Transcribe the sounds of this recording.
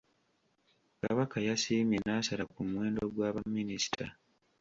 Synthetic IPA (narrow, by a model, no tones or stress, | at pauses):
ka̰βakajasiːmjenaːsalakumwe̞ːndo̞ɡwaːβamːinisi̥tʰa̰